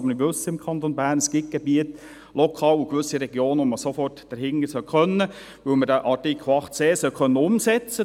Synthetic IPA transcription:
məniʋɵsəɪmkʰχɑnt̪onbæːɾrnəsɡ̥ɪt̚ɡ̥ɛbiət | lɔkʰɑːlukʋɵsiɾɛɡjoːnəʋɔməsofɔrtd̥əɾhɪŋːəsœwχœnːə | ʋɵwmədæʔɑtikʰl̩ɑχtt͡seːsœwχœnːəʊmsɛt͡sə

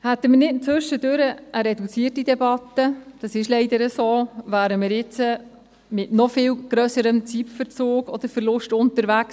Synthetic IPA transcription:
hæt̪ːəmənɪtnt͡sʏʃədøɾəʔəɾɛdut͡siətidɛbɑtːəd̥ɑsɪʃlɛɪdəɾəsoːvæːɾəmɪɾjɪt͡sə | mɪtnɔfɪːwɡ̥ɾœsəɾəmt͡sipfəɾt͡soːɡɔd̪̥əɾfəɾlʊʃtʊntəɾvæks

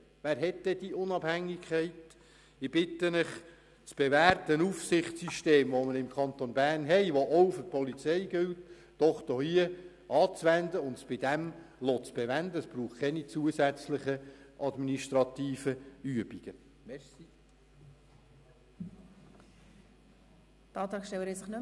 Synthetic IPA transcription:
ʋæːɾɦɛtdɛd̥iʔʊnɑb̥hæŋːikʰχɛɪt | ɪb̥ɪtənəχ | t͡sb̥ɛvæːrt̪ənufsɪχtsyʃteːmʋoməɾɪmkʰχɑnt̪onbæːrnɦɛɪʋoʔɔwfʏr̚pʰɔlit͡sɛjɡʏltː | ɔχd̥̪ohiə | ʔɑːt͡sʋænd̪əʊntsb̥ɪd̪ɛmlot͡sb̥ɛʋænd̪əəsb̥ɾuːχkʰɛnit͡suəsæt͡sləχəʔɑdminiʃt̪ɾɑt̪iːfəyəbiɡ̥ə | mɛɾsi | t̪ɑːt̪ɑːkʃtɛwəɾɛsəχnø

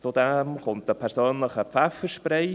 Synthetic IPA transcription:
t͡sudɛmχʊnt̚dəpʰɛɾsøːnləχəpfɛfəʃpɾɛɪ

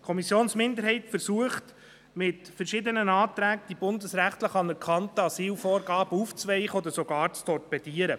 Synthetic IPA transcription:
kʰɔmisjoːnsmɪndəɾɦhɛɪtfəɾsuəχt | mɪtfəɾʃɪd̪ənənɑːt̪ɾæːɡəd̥ibʊnd̪əsɾæχt̪ləχɑnəɾkʰχɑntəɑsiːlfɔːɾɡɑːb̥əuːft͡sʋɛɪχəɔd̪əɾsoɡɑːɾt͡stɔrpɛd̥iəɾə̰

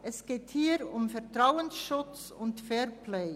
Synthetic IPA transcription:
ʔɛsɡ̥eːthiːəɾʊmfɛʁtʁaʊənsʃʊt͡s | ʊntfɛɾpʰleɪ

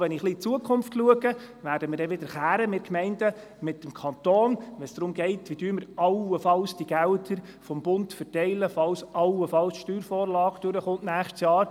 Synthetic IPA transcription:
ʋɛnɪχlit͡suəkʰχʊmftluəɡə | ʋæːɾdəmɪːɾdɛʋɪd̥̪əɾχæːɾəmɪt̚kmɛɪndə | mɪtːəmkʰɑnt̪oːnʋɛnsd̥ɾʊmɡɛɪtʋid̥yːməɾɑwəfɑlsd̥iɡ̥ældəɾ | fɔmbʊntfərtɛɪləfɑlsɑwəfɑlsʃtyːɾfoːɾlɑːɡd̥øɾəχʊnʔnæːχʃtsjɑːɾ

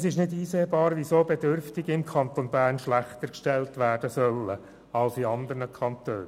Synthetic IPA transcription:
sɪʃnɪdiːseːbɑːɾʋisoːbɛdʏɾftɪɡɪmkʰɑnt̪onbæːrnʃlæχt̪əɾkʃtɛltʋæːd̥əsœlːə | ɑlsiɑnd̪ərnəkʰɑnt̪øːn

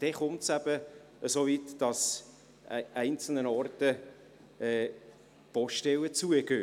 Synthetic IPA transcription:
d̥ɛχʊmtsæb̥ə | əsoːvitd̥ɑs | ʔæɪnt͡sl̩nənɑrtə | ɛː | pɔʃtɛlət͡suəɡ̥øː

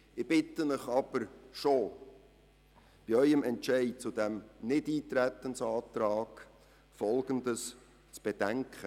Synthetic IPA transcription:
ɪb̥ɪt̪ːənəχɑb̥əɾʃo | b̥iœʏəmɛntt͡ʃɛɪt͡sʊd̪æmnɪdiːt̪ɾæt̪ənsɑːt̪ɾɑːɡ̥ | fɔlɡ̥ənd̪əs | t͡sb̥ɛd̥æŋkʰχə

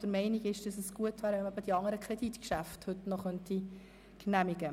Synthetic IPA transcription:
d̥əɾmɛɪnɪɡɪʃd̥ɑsəsɡ̥uətʋæːɾəʋɛnmɑbəd̥iɑŋəɾəkʰɾɛditkʃæfthɵtnɔχœnti | knæmiɡə

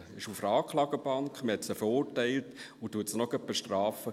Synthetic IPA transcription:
ɪʃufɾɑːkχlɑːɡəbɑŋkχməhɛtsəfəɾʊːɾtɛɪlt | utuətsnɔɡœpːəʃtrɑːfə

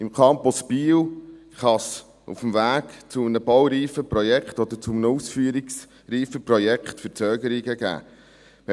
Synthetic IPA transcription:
imkʰɑmpɔspiːw | χɑs | ṵfəmvæːɡ̥t͡sʊmənəbɔwɾiːfəprɔjɛkχtɔd̪əɾt͡sʊmnəusfyːəɾiks | riːfəprɔjɛkχtfəɾt͡sœːɡəɾiɡəɡæ̰ː | m

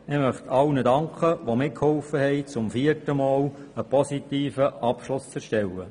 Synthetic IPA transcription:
ɪmœχtʰɑwnədɑŋkχəʋomɪkʰhɔlfəhɛɪt͡sʊmfiərtəmɑːl | əpɔsit̪iːfəʔɑpʃlʊst͡sɛɾʃtɛlːə

